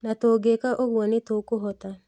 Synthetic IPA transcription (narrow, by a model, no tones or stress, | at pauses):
nat̪oɡekaʔoɡwɔnɪt̪okoɦɔt̪a